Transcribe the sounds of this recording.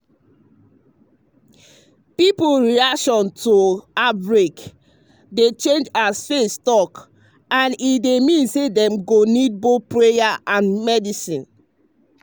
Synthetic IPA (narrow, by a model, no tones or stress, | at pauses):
pipoɹiakʃɔ̃ntoabɹek | det͡ʃẽnd͡ʒasfestɔk | ãnidemĩnsedɛ̃mɡonid̚bopɹejaʔãnmɛdisĩn